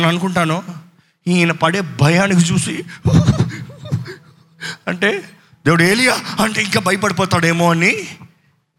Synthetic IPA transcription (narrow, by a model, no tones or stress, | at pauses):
nɐnukuɳʈaːnu | iːnɐpɐɽeːbʱɐjaːnikit͡ʃuːsi | ɐɳʈe̞ː | d̪eːʋuɽeːlijaːɐɳʈeːiŋkaːbɐjɐpɐɽipɔːt̪aːɽe̞ːmoːɐni